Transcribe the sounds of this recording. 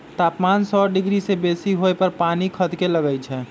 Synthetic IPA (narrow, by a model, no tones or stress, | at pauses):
t̪apmansɔɖiɡɾisebesiɦoepəɾpanikʰəd̪ʱkeləɡəjt͡ʃʰɛ